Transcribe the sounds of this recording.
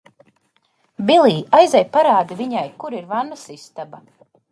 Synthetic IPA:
bilˠiːajzajpaɾaːd̪iviɲajkuɾiɾvanːasist̪aba

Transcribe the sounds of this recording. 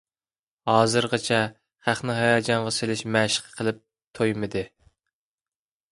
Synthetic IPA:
hɑːzɨɾʁɑt͡ʃʰɛ | χæχnɪɦɑjɑːd͡ʒɑɴʁɑselɪʃmæʃɪ̥qʰqʰəlˠɪp̚ | t̪ʰojmɨd̪ɨ

